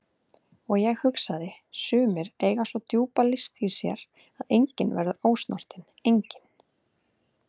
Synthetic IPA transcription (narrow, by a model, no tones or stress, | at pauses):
ɔɣjɛɣhʏksaðɪsʏːmɪɾeːjɣasvɔt̪juːpalɪst̪isjɛ̰ɾ̥ | aðejɲcɪnvɛ̰ɾðʏʔoːwst̪nɔ̰r̥t̪ɪn | ejɲcɪn̥